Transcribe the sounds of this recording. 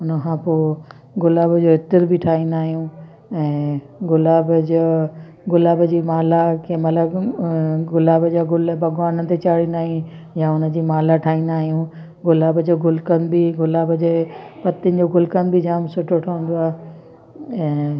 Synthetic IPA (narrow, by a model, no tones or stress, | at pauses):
ʊnəkʰãpoː | ɡʊlaːbd͡ʑoɪt̪əɾbʱɪʈʰaːɦĩnd̪aːɦijũ | ɛ̃ː | ɡʊlaːbəd͡ʑoː | ɡʊlaːbd͡ʑiːmaːlakʰeːmɐt̪ləb | ɡʊlaːbd͡ʑaɡʊlbʱɐɡwaːnət̪et͡ɕaːɽĩnd̪aːɦiĩ | jãːʊnə̆d͡ʑiːmaːlaʈʰaːĩːnd̪aːɦijũ | ɡʊlaːbd͡ʑoːɡʊlkənɪ̆biɡʊlaːbəd͡ʑeːpɐt̪ɪnd͡ʑoːɡʊlkənɪ̆bʱɪd͡ʑaːmsʊʈʰoʈʰaːũn̆d̪oaːɦ | ɛ̃ː